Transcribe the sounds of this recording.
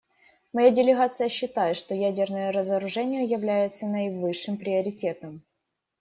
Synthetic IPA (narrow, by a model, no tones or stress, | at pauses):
mɐjadʲɪlʲɪɣat̪sɨjəɕːɪt̪ajɪt̪ʂt̪o̞jædʲɪrnəjəɾəzəɾʊʐɛnʲɪjəjɪvlʲæjɪt̪sənəvɨʂːɨmpɾʲɪəɾʲɪtʲet̪əm